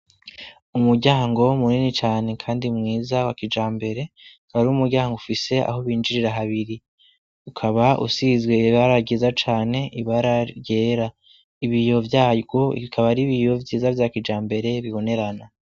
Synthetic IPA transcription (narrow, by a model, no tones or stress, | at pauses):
umuɾɟaːŋɡo̞muninit͡ʃaːne̞kʰaːndimŋiːzawakid͡ʒaːmbe̞ɾe̞kaɾuumuɾɟaːŋɡoufise̞a̰ɦo̞βiːnd͡ʒiɾiɾaɦaβiɾi | ukʰaβaʔṵsizɡwe̞βaɾaɟiːzat͡ʃaːne̞iβaɾaɟe̞ːɾa | iβijo̞vjaɡoḭikʰaβaɾiβijo̞vjiːzavjaːkid͡ʒaːmbe̞ɾe̞βiβo̞ne̞ɾana